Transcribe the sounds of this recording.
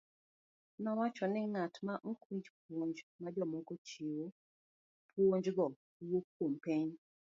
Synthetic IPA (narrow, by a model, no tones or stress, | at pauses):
nɔwat͡ʃɔnɪŋatmaʔokwĩɲd͡ʒp̚woɲd͡ʒmad͡ʒɔmokot͡ʃiwo | pwoɲd͡ʒɡɔ | wokːompeɲ